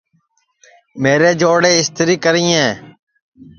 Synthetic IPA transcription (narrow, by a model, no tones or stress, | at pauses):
meːɾeːd͡ʒoːɽeːɪst̪ɾiːkəɾĩːɛ̃ː